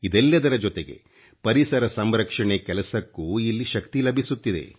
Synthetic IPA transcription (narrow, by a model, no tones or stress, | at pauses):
id̪ɛlːɐd̪ɐɾɐd͡ʒɔt̪eɡe̞̰ | pɐɾisɐɾɐsɐmɾɐkʂɐɳekɛlɐsɐkːuilːiʃɐkt̪ilɐbʱisut̪ːid̪e̞̰